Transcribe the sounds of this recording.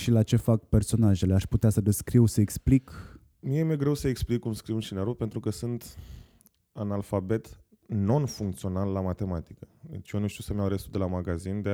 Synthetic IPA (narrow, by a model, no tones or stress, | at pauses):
ʃilat͡ʃe̞fak̚pe̞rso̞naʒe̞le̞aʃput̪easəd̪e̞skɾiwsəeksplik | miemeɡɾe̞wsəeksplikːumskɾiwunʃineɾuk̚pent̪ɾukəsɨnt̪ | analfabe̞t̪ | no̞nfuŋk̚t̪sio̞nalːamat̪e̞mat̪i̥kəd̪ḛt͡ʃjonuʃt̪iusemnaɾest̪ud̪e̞lamaɡazind̪e